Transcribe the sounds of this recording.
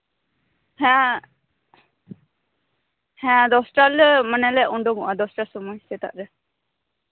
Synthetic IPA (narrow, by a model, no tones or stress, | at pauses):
hɛ̃ | hɛ̃ad̪ɔsʈalmanɛlɛʔuɳɖɔŋɔʔad̪ɔsʈasɔmɔjsɛt̪a̰ʔɾɛ